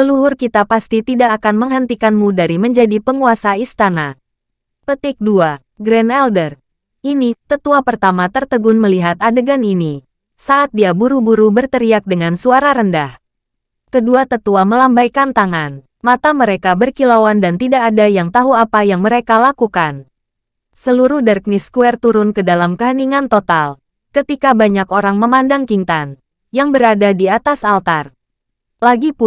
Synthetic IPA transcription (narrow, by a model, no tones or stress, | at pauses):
səluɦʊrkit̪apast̪it̪idaʔːkanməŋɦənt̪ikanmudaɾiməɲd͡ʒadipəŋuasaist̪ana | pət̪ɪk̚dua | ɡɾɛnɛldər | ʔinit̪ət̪uapərt̪amat̪ərt̪əɡʊnməliɦat̪adəɡanini | saʔat̪̚diabuɾubuɾubərt̪əɾiak̚dəŋansuaɾaɾəndah | kəduat̪ət̪uaməlambajkant̪aŋan | mat̪aməɾekabərkilawandant̪idakadajaŋt̪aɦuapajaŋməɾekalakukan | səluɾuhdɛrk̚niskuɛrt̪uɾʊnkədalamkəɦəniŋant̪ot̪al | kət̪ikabaɲakoɾaŋməmandaŋkint̪an | jaŋbəɾadadiat̪asalt̪ar | laɡipʊ